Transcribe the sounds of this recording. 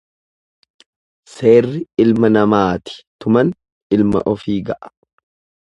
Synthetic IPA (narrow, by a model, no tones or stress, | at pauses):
se̞ːrːɪɪlmɐnɐmaːt̪ɪ̥t̪ʊmɐn | ɪlmɐ̰ʔɔfiːɡɐʔɐ̥